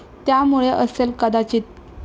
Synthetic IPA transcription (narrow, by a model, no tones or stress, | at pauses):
t̪jamuɭeʔəselkəd̪at͡ɕiːt̪̚